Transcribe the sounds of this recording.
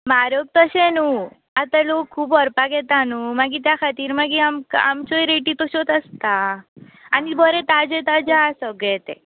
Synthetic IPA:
maɾjok̚t̪əɕɛnu | at̪alokʰːuːbəɾpakɛt̪anumaɡit̪jakʰat̪iːɾmaɡiamka̰mt͡ɕoiɾeʈit̪ɔɕot̪əst̪aː | nibəɾɛt̪ad͡ʑet̪ad͡ʑasəɡɭɛt̪ɛ̰

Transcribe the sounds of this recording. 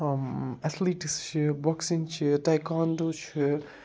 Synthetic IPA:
ɛt̪ʰliːʈist͡ʃʰibɔksint͡ʃʰitajkaːnd̪oːt͡ʃʰi

